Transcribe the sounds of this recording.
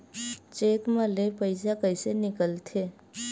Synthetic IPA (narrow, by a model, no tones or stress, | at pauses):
t͡ʃeːt̪məlepəɪs̬akəɪsenɪkəlt̪ʰeː